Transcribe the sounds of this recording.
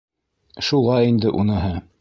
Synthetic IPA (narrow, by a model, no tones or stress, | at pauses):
ʃulˠɑjind̪ɘʔunɤ̆ɦɤ